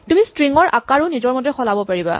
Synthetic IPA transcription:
tumistɹiŋɔɹʔa̰kaɹʊnizɔɹmɔtɛxɔlabɔpaɹiba̰

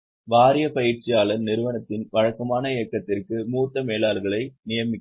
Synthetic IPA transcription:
ʋaːɾɪjɐpɐjɪrt͡ʃɪjaːlɐɾnɪɾɯʋɐnɐt̪ːɪnʋɐɻɐkːɐmaːnɐɪjɐkːɐt̪ːɪrkɯmuːt̪ːɐmeːlaːlɣɐɭɐɪnɪjɐmɪkː

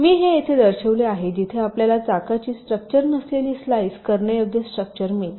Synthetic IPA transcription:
miːɦejet̪ʰed̪əɾɕeʋleaɦed͡ʑit̪ʰeapljalat͡sakat͡ɕiːsʈɾək̚t͡ɕəɾnəsleliːslaiskəɾɳəjək̚d̪ʱjəsʈɾək̚t͡ɕəɾmet̪

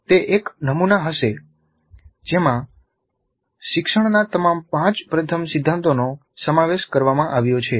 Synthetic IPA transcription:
t̪eʔeknəmunaɦəʃe | d͡ʒemã | ʃɪkʃəɳnat̪əmampãt͡ʃpɾət̪ʰəmsɪd̪ʱːãnt̪ono | səmaʋeʃkəɾʋamãʔaʋjot͡ʃʰe

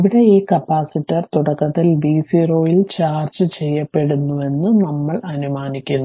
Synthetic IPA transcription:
iʋiɽe̞iːkɐpːaːsitːɐrt̪uɽɐkːɐt̪ːilʋiːsiro̞ːjilt͡ɕaːrt͡ɕɨt͡ɕe̞jːɐpːe̞ɽunːuʋe̞nːɨnɐmːɐɭɐnumaːnikʲːunːu

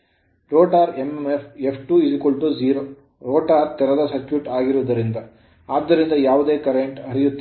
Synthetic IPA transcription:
ɾoːʈaːɾememepʰepʰʈuːid͡ʒikoɭʈud͡ʒiːɾoː | ɾoːʈaːɾt̪ɛɾɐd̪ɐsɐt͡ʃʋiʈaːɡiɾuʋɐd̪ɐɾind̪ɐ | aːd̪ːɐɾind̪ɐjaːʋud̪e̞ːkɐɾeɳʈɦɐɾijut̪ːi

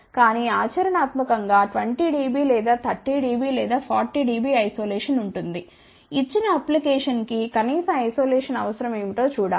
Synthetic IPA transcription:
kaːniaːt͡ʃɐɾɐnaːt̪mɐkɐŋɡaːʈʋɐɳʈiɖiːbiːlɛːd̪aːt̪ʰɐʈːiːɖiːbiːlɛːd̪aːpʰaːɾʈiɖiːbiːɐjsoːlɛːʂɐnuɳʈund̪i | it͡ʃːinɐɐplikɛːʂɐnkikɐniːsɐmɐjso̞ːlɛːʂɐnɐʋɐsɐɾɐmeːmit̪o̞ːt͡ʃuːɽaː

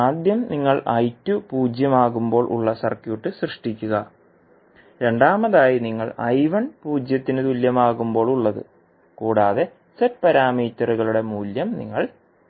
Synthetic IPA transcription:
aːd̪jɐmniŋːɐɭɐjtːupuːd͡ʑjɐmaːɣumbo̞ːɭʔṵɭːɐsɐrkjuːʈːɨsrɨʂʈikʲːuɣɐ | ɾe̞ɳɖaːmɐðaːjiniŋːɐɭɐjʋɐnpuːd͡ʑjɐt̪ːinɨt̪uljɐmaːɣumbo̞ːɭuɭːɐðɨ̰ | kuːɽaːðe̞ | setpɐɾaːmiːt̪ːɐruɣɐɭuɽe̞muːljɐmnḭŋːɐɭ

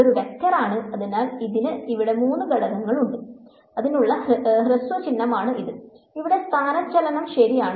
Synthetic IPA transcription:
oɾuʋɐk̪ːjɐraːɳɨɐðinaːliðinɨiʋiɽe̞muːnːɨɡɐɭɐɣɐŋːɐɭuɳɖɨ | ɐðinuɭːɐɦrɐsʋɐt͡ɕinːɐmaːɳɨiðɨ | iʋiɽe̞st̪ʰaːnɐt͡ɕːɐlɐnɐmʂɐɾijaːɳɨ

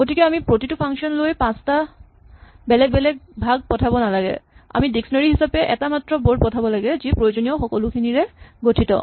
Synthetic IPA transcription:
ɡotʰikɛamipɹotitupʰaŋkʃɔnlojpãsta | bɛlɛk̚bɛlɛk̚bʱaɡ̚pɔtʰabɔnalaɡɛ̰a̰midiksɔnaɹiɦisapeʔɛtamatːɹɔboɖ̚pɔtʰabɔlaɡɛzipɹojod͡ʑonijɔxɔkɔlukʰiniɹeɡotʰitɔ̰

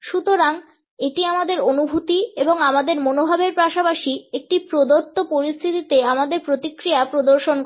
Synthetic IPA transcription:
ʃut̪oɾaŋ | eʈiamad̪eɾonubʱut̪ieboŋamad̪eɾmonobʱabeɾpaʃapaʃiek̚ʈipɾod̪ot̪ːopoɾist̪ʰit̪it̪eamad̪eɾpɾot̪ikːɾiapɾod̪oɾʃon

